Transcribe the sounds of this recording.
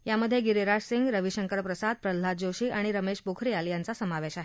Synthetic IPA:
jaməd̪ʱːjeɡiɾiɾaʂsiŋɡɾəʋiɕəŋkəɾpɾəsad̪̚pɾəlːad͡ʑoɕiːʔaɽ̃iɾəmeɕbokʰɾiːaljant͡sasəmaʋeɕaɦe

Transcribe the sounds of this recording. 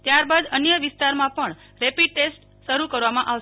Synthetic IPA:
t̪jaɾbad̪ənjəʋɪst̪aɾmãpəɳ | ɾɛpiɖ̚ʈesʈ | ʃəɾukəɾʋamãʔaʋ

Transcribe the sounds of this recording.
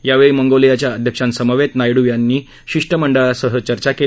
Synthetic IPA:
jaʋeɭiməŋɡolijat͡ɕjaəd̪ʱjəkʂãnsəməʋet̪najɽuʋjanːiː | ɕiʂʈəməɳɖəɭasəɦət͡ɕəɾt͡ɕake

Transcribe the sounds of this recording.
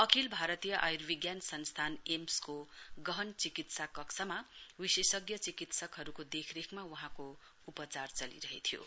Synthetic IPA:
ʌkilbʱaɾʌt̪ijʌʔajrbiɡjansʌnst̪ʰanemskoɡʌɦʌnt͡sikit̪sakʌksʰʌmawisesʌɡjʌt͡sikit̪sʌkɦʌɾukod̪ekʰɾekʰmawʌɦãko | upʌt͡sart͡sʌlḭɾʌɦet̪ʰjo̰

